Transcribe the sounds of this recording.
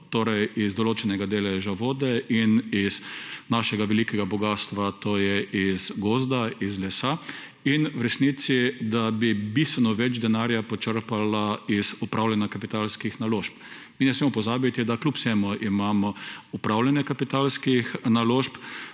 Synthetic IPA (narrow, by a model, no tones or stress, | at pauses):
t̪oːɾɛjizd̪ɔloːt͡ʃɛnɛɡad̪eːlɛʒaʋoːd̪ɛʔiniznaʃɛɡaʋɛlikɛɡabɔɡaːst̪ʋat̪oːjɛʔizɡoːzd̪aizlɛsa | inwɾɛsnit̪sid̪abibist̪ʋɛnɔʋɛd͡ʒd̪ɛnaːɾjapɔt͡ʃəɾpalaizupɾʔawlʲanjakapit̪alskixnaloːʃp | minɛsmeːmɔpɔzaːbit̪id̪aklʲupsɛmuʔimaːmɔupɾawlʲanjɛkapit̪alskixnaloːʃp